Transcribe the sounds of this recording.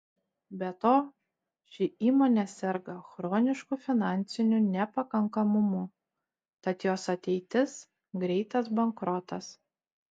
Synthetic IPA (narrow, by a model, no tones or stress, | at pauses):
bʲɛt̪oː | ʃʲɪiːmoːnʲɛsʲɛɾɡɐxɾoːnʲɪʃkʊfʲɪnɑˑnʲt̪sʲɪnʲʊnʲɛpɐkɐŋkɐmʊmʊ | t̪ɐt̪joːsɐt̪ʲɛɪt̪ʲɪs | ɡɾʲɛɪt̪ɐsbɐŋkɾɔt̪ɐs